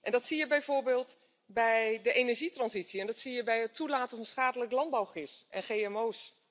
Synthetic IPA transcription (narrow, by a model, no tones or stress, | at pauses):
ʔɛndɑtsijəbɛjvʊːɹbeːlˠt | bɛjdəʔejnɛɹʒitrɑnzitsiɛndɑtsijəbɛjətʰulaːtəvɑnsχaːdələklɑnd̚bawχɪtʔɛnχejɛmows